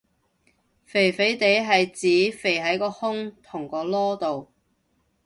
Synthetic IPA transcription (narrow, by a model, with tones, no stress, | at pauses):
fe˨˩jfe˨˥jt̪e˨˥jɦɐ˨jt͡siː˨˥fe˨˩jɦɐ˨˥jkɔː˧hʊ˥ŋt̪ʰʊ˨˩ŋkɔː˧lɔː˥t̪o˨w